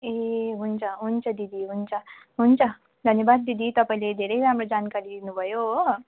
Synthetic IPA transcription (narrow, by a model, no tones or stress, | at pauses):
eɦunt͡sʰʌɦunt͡sʰʌd̪id̪ʱiɦunt͡sʰʌ | ɦunt͡sʰʌ | d̪ʱʌnjebad̪̚ːid̪ʱit̪ʌpaĩled̪ʱeɾʌjɾamɾod͡zankaɾid̪inubʱʌjo